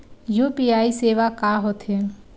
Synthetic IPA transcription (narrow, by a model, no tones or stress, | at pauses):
juːpiaːiseːʋakaːɦot̪ɦe